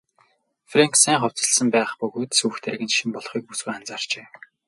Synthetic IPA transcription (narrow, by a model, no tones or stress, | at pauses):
freŋksæːŋχʊw̥ʲt͡sə̆ɮsə̆mpæːχpɵɣoːt̪suːxt̪ʰæɾɣɘ̆nʃimpɔɮχiːk̚puswujant͡saːr̥t͡ɕeː